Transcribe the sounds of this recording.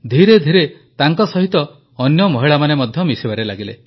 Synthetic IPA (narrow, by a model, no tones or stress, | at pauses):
d̪ʱiɾed̪ʱiɾe | t̪aŋkɔsɔɦit̪ɔː | njɔmɔɦiɭamanemɔd̪ʱjɔmisibaɾelaɡile